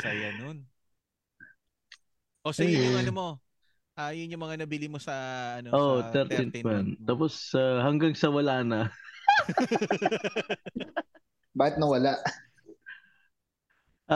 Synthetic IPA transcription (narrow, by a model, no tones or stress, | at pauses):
sɐjɐnon | ʔosɐjʊɐnomo̞ | ʔajʊnjʊmɐŋanɐbilimosɐɐnoʔoʔt̪ɛɾt̪inmɐnt̪aːposɐhɐŋɡaŋsɐwɐlaːnɐ | baːhɪt̪̚nɐwɐlaʔ | ʔa